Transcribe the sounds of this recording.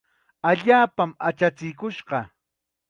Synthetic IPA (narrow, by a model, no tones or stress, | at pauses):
aʎaːpamat͡ʃat͡sɪjkʊʃɢɑ